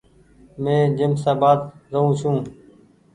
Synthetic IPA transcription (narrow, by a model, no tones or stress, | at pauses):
mẽːd͡ʒəmsaːbaːd̪ɾəũːʃũː